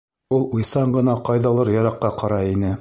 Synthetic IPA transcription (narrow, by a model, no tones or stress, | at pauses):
ulˠujsɑɴɢɤ̆nɑqɑjðɑlˠɤɾjɑɾɑqːɑqɑɾɑinɘ